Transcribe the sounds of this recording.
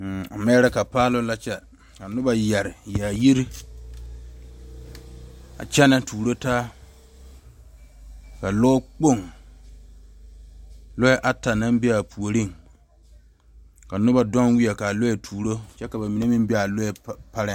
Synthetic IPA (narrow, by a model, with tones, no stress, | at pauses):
a̰˨mɛ˦ɾa˦ka˨paː˦lʊ˦la˦t͡ʃɛ˦ | ka˨nʊ˦ba˨jɛ˨ɾɪ˨ja˨ji˦ɾi˦ | a̰˨t͡ʃɛ˦na˨tuː˨ɾo˦taː˦ | ka˨lɔː˦k͡po˦˨ŋ | lʊ˦jɛ˦ʔa˦ta˨na˦mbɪ˦a˨pʰu˨o˨ɾi˦˨ŋ | ka˨nʊ˦ba˦dɔ˦nwi˦ɛ˨ka˨lʊ˦jɛ˨tʰuː˨ɾo˦t͡ʃɛ˦ka˨ba˨mi˨ne˦mɪ˦mbɪ˦a˨lʊ˦jɛ˨pa˦ɾɪ˦